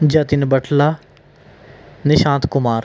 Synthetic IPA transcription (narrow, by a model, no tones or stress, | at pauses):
d͡ʒɐt̪inbɐʈʰlaː | nɪʃãːnt̪kʊmaːɾ